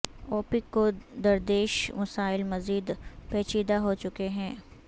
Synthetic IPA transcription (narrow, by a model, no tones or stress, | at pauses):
ɔːpɪkːod̪ɐɾd̪eːʃmɐsaːɪlmɐziːd̪pɛːt͡ʃiːd̪aɦot͡ʃʊkeɦɛ̃ː